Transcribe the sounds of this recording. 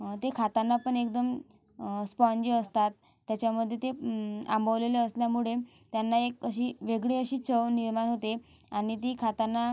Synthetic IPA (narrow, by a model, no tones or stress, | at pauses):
t̪ekʰat̪anːapəɳek̚d̪əm | spɔ̃ɲd͡ʑiəst̪at̪ː | jat͡ɕjaməd̪ʱːjet̪eã̰mbʱəʋleleəsljamuɭe | t̪janːaekəɕiːʋeɡɭeəɕiːt͡səʋniɾmanɦot̪e | aɽ̃it̪̬ikʰat̪anːa